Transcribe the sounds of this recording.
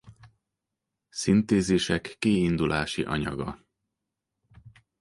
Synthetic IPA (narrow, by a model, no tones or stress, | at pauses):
sint̪eːzeːʃɛkːiːind̪ulaːʃḭʔɒɲɒ̰ɡɒ